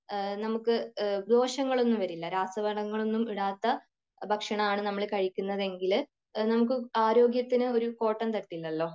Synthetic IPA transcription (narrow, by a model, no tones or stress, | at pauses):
nɐmukːɨd̪o̞ːɕɐŋːɐɭo̞nːumʋɐɾilːɐɾaːsɐbɐɽɐŋːɐɭo̞nːumiɽaːt̪ːɐ | bʱɐkʂɐɳɐaːɳɨnɐmːɐɭkɐɻikʲːunːɐðe̞ŋɡil | nɐmuk̬ːɨaːɾo̞ːɡjɐt̪ːinɨo̞ɾuko̞ːʈːɐnt̪ɐʈːilːɐlːo̞ː